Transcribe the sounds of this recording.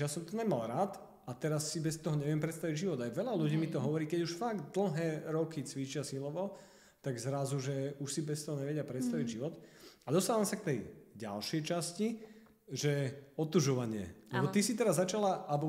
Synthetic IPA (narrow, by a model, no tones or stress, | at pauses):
jasɔmt̪ɔɲɛmalɾaːt̪ | ʔat̪ɛɾasːibɛst̪ɔɦɔɲɛʋɪɛmpɾɛt̪st̪aʋiɟʒiʋɔd̪ajʋɛʎaluɟiːmit̪ɔɦɔʋɔɾiːkɛɟuʃfaɡd̪l̩ˠɦɛːɾɔkit͡sʋit͡ʃɪasilɔʋɔ | t̪aɡzɾazuʒɛuʃsibɛst̪ɔɦɔɲɛʋɛɟɪapɾɛt̪st̪aʋiɟʒiʋɔt̪ad̪ɔst̪aːʋamsak̚t̪ɛjɟa̰lʃɛjt͡ʃasci | ʒɛɔt̪uʒɔʋaɲɪɛ̰lɛbɔt̪isit̪ɛɾazːat͡ʃalaʔabɔ